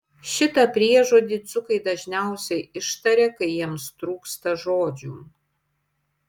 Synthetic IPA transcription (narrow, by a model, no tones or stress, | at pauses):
ʃʲɪt̪ɐpʲɾʲiɛʒoːd̪ʲiːt̪sʊkɐɪd̪ɐʒʲnʲɛʊsʲɛɪɪʃt̪ɐɾʲeːkɐɪjiɛmst̪ɾuːkst̪ɐʒoːd͡ʒʲuː